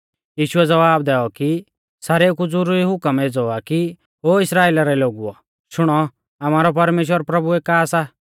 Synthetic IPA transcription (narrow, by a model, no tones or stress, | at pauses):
jiːʃʊɛd͡zɐʋaːbd̪ɛːɔki | saːɾekud͡zʊɾuɾiɦʊkəmed͡zɔaki | oːɪsɾaːeːlaɾɛloːɡuɔ̰ | ʃʊɽ̃ɔ | amaːɾɔpɐɾmeːʃ̬wəɾpɾɐbuɛkaːsa